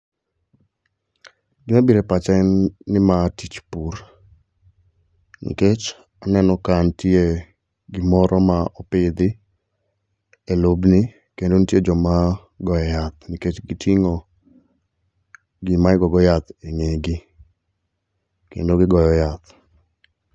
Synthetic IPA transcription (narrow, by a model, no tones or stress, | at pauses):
ɡɪmabiɾepat͡ʃanːɪmatit͡ʃpur | nḭket͡ʃ | anɛnɔkantje | ɡɪmɔɾʔɔmaɔpɪd̪ɪ | elobni | kendonitjed͡ʒɔma | ɡɔjɔjat̪̚niket͡ʃɡitʰiŋɔ | ɡɪmaɪɡɔɡɔjat̪eŋeɡɪ | kḛndoɡɪɡɔjɔjat̪